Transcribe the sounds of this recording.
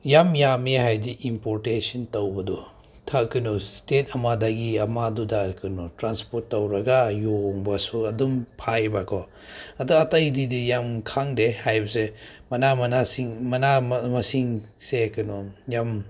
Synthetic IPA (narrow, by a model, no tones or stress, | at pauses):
jamjamehajdiʔimpoɾtesɔntowbɐdɔ | tʰakɯnɔstet̚ɐmadaɡiɐmadudakɯnɔtɾanspoɾtːɐwɾɐɡajoŋbasuɐdumpʰaebakʰɔ | ɐduatɐjdidijamkʰaŋdehajbɐsemɐnamɐnasiŋmɐnamɐsiŋsekɯnɔjam